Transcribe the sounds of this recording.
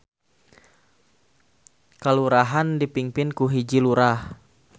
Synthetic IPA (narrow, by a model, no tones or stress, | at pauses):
kaluɾaɦandipiŋpɪnkuɦid͡ʒiluɾah